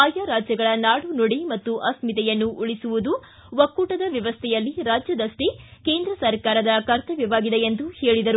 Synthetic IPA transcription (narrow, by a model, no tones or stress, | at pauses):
aːjaɾaːd͡ʒjɐɡɐɭɐnaːɽunoɽimɐt̪ːuʔɐsmit̪ɛjɐnːuʔuɭisuʋud̪u | ʋɐkːuːʈɐd̪ɐʋjɐʋɐst̪ʰɛjɐlːiɾaːd͡ʒjɐd̪ɐʂʈike̞ːnd̪ɾɐsɐɾkaːɾɐd̪ɐkɐɾt̪ɐʋjɐʋaːɡid̪eend̪uheːɭid̪ɐɾu